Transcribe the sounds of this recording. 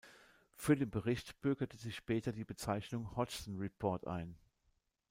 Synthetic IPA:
fyːɐdeːnbəʁɪçtb̥ʏɐɡɐtəzɪçʃpɛːtɐdiːbət͡saɪçnʊŋhɔt͡ʃsn̩ʁɛpʰɔɐtʔa̰ɪn

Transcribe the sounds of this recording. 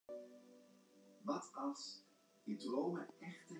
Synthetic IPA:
ʋɑtɑlˠs | idrowməɛχtə

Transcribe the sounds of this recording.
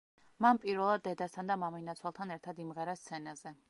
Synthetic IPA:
manpʼiɾvɛlˠad̪ːɛd̪ast̪ʰand̪amaminat̪sʰwalˠt̪ʰanɛɾt̪ʰad̪imʁɛɾast̪sʰɛnazɛ

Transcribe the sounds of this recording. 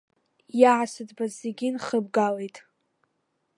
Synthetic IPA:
jaʕasɨdbazeɡʲɪnχəbɡalejtʼ

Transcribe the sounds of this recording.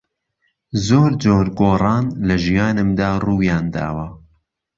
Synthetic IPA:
zoːɾd͡ʒoːɾɡoːrˤɑːnlɐʒijɑːnɨmd̪aːruːjɑːnd̪a̰ːwɐ

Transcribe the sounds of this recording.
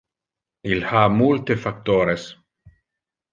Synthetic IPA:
ilhamult̪efak̚t̪oːɾes

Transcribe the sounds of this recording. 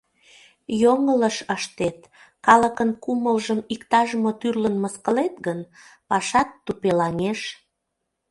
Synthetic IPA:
joŋələʃəʃt̪et̪ | kɑləkənkuməlʒəmikt̪ɑʒmot̪yrlənməskəlet̪̚ɡənpɑʃɑt̪ːupelɑŋeʃ

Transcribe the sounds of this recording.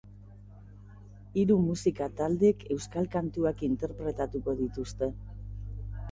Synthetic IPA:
iɾumusikat̪ald̪e̞ke̞wskalkant̪uakint̪e̞ɾpɾe̞t̪at̪uko̞ðit̪ust̪e̞

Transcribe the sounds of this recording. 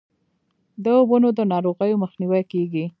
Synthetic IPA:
d̪əobənod̪ənɑɾoɣəjoməxniwajkeɡi

